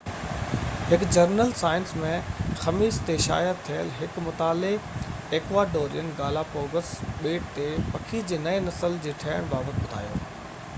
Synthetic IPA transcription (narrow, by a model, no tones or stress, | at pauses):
hɪkd͡ʑɐɾnəlsaːɪnsmẽxɐmiːst̪eʃa̰ːjət̪ʰːijə̰lɦɪkmʊt̪aːlɪɡ | eːkʋaːɖoːɾḭjən̆ɡaːlafoːɡəsɓeːʈ̚t̪epɐkʰid͡ʑeːnɐenɐsəld͡ʑeːʈʰɐːəɽ̃baːbət̪ɓʊd̪ʱa̰ːjo̰ː